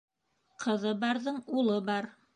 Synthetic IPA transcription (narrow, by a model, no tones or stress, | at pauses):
qʰɤ̆ðɤbɑɾðɤɴulˠɤbɑɾ